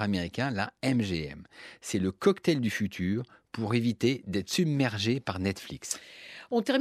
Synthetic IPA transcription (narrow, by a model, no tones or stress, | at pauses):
ameʁikʲɛ̃la̰ɛmʒeɛ̰msɛləkɔkt̪ɛld̪yfyt̪ʰyːʁpuʁevit̪ed̪ɛt̪χə̥sybmɛʁʒepaʁnɛt̪fliksɔ̃t̪ɛʁm